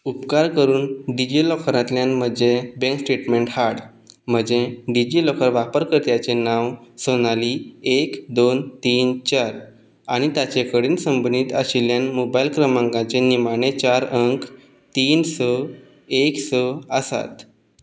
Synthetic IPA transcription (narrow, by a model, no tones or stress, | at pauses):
upkaɾkəɾuːnɖid͡ʑilɔkɾãt̪ljanm̤əd͡zebẽŋksʈɾiʈmeɳʈhaɽ | m̤əd͡ʑeɖid͡ʑiːlɔkəɾʋapəɾkəɾt̪jat͡ɕenaʋsonaliːekd̪ont̪iːnt͡ɕaɾ | aɽ̃it̪jat͡ɕekəɽiːnsəmbəniːt̪əɕiljanmobajilkɾəmãŋɡãt͡senimanet͡ɕaɾəŋk | t̪iːnsə | eksəəsa̰t̪